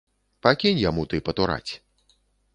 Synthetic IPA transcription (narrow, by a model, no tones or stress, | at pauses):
pakʲinʲjamut̪ɨpɐt̪uɾa̰t͡sʲ